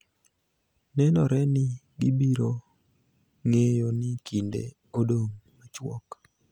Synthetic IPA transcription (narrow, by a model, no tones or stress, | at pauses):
nɛnɔɾɛnɪɡɪbiɾo | ŋejonɪkʰindḛ | odoŋmat͡ʃwɔ̰k